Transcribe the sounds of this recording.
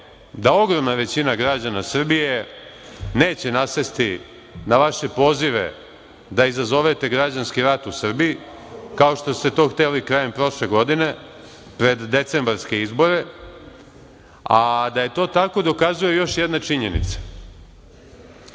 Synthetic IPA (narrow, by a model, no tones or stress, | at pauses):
d̪ao̞ɡɾo̞mnaʋe̞t͡ɕinaɡɾad͡ʑanasr̩bije̞ | ne̞ːt͡ɕe̞nasest̪i | naʋaʃe̞po̞ːziʋe̞̰ | d̪aizazo̞ʋet̪e̞ɡɾad͡ʑanskiɾat̪usr̩bii | kao̞ʃt̪o̞st̪e̞t̪o̞ːxt̪elikɾaje̞mpɾo̞ʃle̞ɡo̞d̪ine̞ | pɾe̞d̪ːe̞t̪se̞mbaɾske̞izbo̞ɾe̞ | ad̪aje̞t̪o̞ːt̪ako̞d̪o̞kazuje̞jo̞ʃjed̪nat͡ʃiɲe̞nḭt̪sḁ